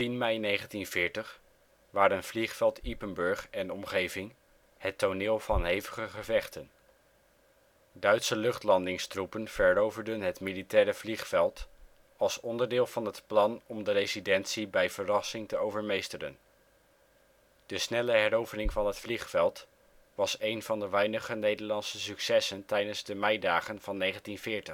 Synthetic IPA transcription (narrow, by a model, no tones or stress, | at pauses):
tinmɛjnejχəntinv̥ɪːɹtəχ | ʋaːɾənv̥liχfɛlˠtipənbɵɹχɛnɔmχejvɪŋ | hətonɪːlˠv̥ɑnɦejvəχəχəvɛχtən | dœɥtsəlɵχtlɑndɪŋstrupənv̥ɛɹowvəɹdənɦətmilitɛːɾəvliχfɛlˠt | ɑlˠsɔndəɹdɪːlˠvɑnɦətplɑnɔmdəɾejzidɛntsibɛjv̥ərɑsɪŋtəowvəɹmejstərə̰n | d̥əsnɛləɦɛɾowvənɪŋvɑnɦətfliχfɛlˠt | ʋɑsejnvɑndəʋɛjnəχənejdəɹlɑntsəsyksɛsəntɛjdənzdəmɛjdaːχənv̥ɑnːejχəntinvɪːɹtəχ